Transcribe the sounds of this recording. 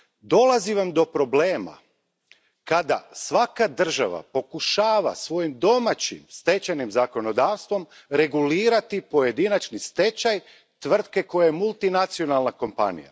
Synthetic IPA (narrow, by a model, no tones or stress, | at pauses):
d̪o̞lˠaziʋamd̪o̞pɾo̞bleːma̰ | kad̪a̰sʋakad̪r̩ʒa̰ʋa̰po̞kuʃaːʋa̰sʋo̞jimd̪o̞mat͡ɕḭmst̪e̞t͡ɕajnimzako̞no̞d̪aːʋst̪ʋo̞m | ɾe̞ɡuliːɾat̪ipo̞je̞d̪inat͡ʃnist̪e̞t͡ɕaj | t̪ʋr̩t̪̚ke̞ko̞jajemulˠt̪inat̪sio̞nalˠnako̞mpa̰nḭja̰